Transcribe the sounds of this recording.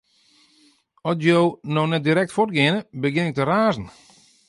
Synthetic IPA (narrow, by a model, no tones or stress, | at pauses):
ɔtjoːnɔxnɛt̚diɾɛk̚tfor̚ɡɪənəbəɡɪnɪk̚təraːzn̩